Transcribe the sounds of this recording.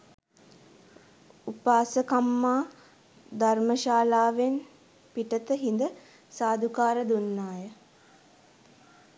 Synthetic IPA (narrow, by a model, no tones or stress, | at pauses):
upaːsəkamːaː | d̪arməʃaːlaːʋen | piʈət̪əɦind̪ə | saːd̪ʱukaːɾəd̪unːaːjə